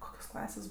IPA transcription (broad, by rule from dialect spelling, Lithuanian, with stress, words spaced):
ˈkoːkʲoːs ˈklˠɑːsʲeːs